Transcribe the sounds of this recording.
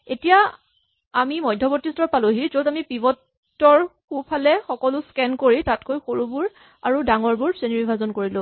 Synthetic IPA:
etija | amimɔjdʱːɔbɔtːistɔɹpalʊɦizodamipibɔtː | ɔɹxupʰalɛxɔkɔlʊskɛnkoɹitatkojxoɹubuɹ | aɹudaŋɔɹbuɹseniɹibʱazɔnkoɹilʊ̃

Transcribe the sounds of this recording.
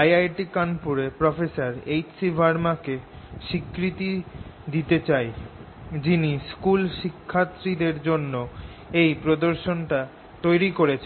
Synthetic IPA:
ajajʈikanpuɾepɾɔfesaɾejt͡ɕsibʱaɾmakeʃikɾit̪id̪it̪et͡ɕaj | d͡ʑiniskulʃikʰːat̪ːɾid̪eɾd͡ʑonːo | ejpɾod̪oɾʃonʈa | t̪ojɾikoɾet͡ɕʰe

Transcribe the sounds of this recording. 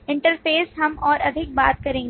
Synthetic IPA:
ɪ̃ɳʈəɾfeːsɦɐmɔːɾɐd̪ʱɪk̚ba̰ːt̪̚kɐɾẽːŋɡ

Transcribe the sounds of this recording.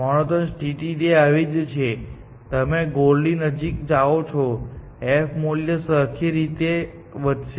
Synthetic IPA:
məɽ̃ot̪ənsʈiʈideaʋed͡ʒt͡ʃʰe | t̪əmeɡoɽlinəd͡ʒikd͡ʒaot͡ʃʰo | efʰmoljəsəkʰjəɾit̪e | ʋəd̪ʃ

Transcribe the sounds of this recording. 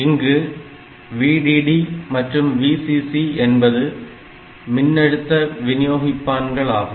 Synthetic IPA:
ɪŋɡɯ | ʋiːɽiːɽimɐʈrɯmʋiːsisiɛnbɐðɯ | mɪnːɐɽɯt̪ːɐʋɪnɪjoːɣɪpːaːnɡɐɭaːɣɯ

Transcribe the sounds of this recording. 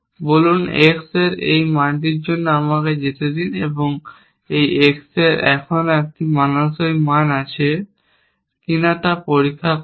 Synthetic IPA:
bolunekseɾejmanʈ̬iɾd͡ʑonːoamaked͡ʑet̪ed̪ineboŋ | ejekseɾɛkʰonoek̚ʈimanoʃojmanat͡ɕʰe | kinat̪apoɾikʰːa

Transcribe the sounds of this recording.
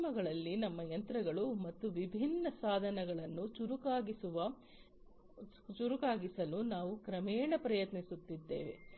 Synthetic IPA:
mɐɡɐɭɐlːinɐmːɐjɐnt̪ɾɐɡɐɭumɐt̪ːuʋibʱinːɐsaːd̪ʱɐnɐɡɐɭɐnːut͡ʃuɾukaːɡisuʋɐ | t͡ʃuɾukaːɡisɐlunaːʋukɾɐmɛːɳɐpɾɐjɐt̪nisut̪ːid̪ːḛːʋe̞̰

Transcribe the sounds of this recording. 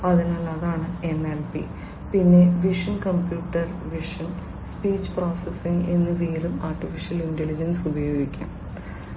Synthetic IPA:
ɐðinɐlːaːðaːɳɨe̞melpḭ | pinːe̞ʋiʂɐnkɐmpjuːʈːɐrʋiʂɐn | spiːt͡ɕːɨ̥pro̞ːsesiŋɡenːɨʋeːɾumaːrʈːifiʂjɐlindelid͡ʑɐnsubɐjo̞ːɡikʲːṵm

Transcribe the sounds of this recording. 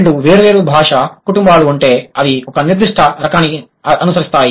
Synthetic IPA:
ɳɖuʋe̞ːɾuʋe̞ːɾubʱaːʂɐkuʈumbaːluːɳʈe̞ːɐd̪iɔkɐniɾd̪iʂʈʰɐɾɐkaːni | ɐnusɐɾist̪aːji

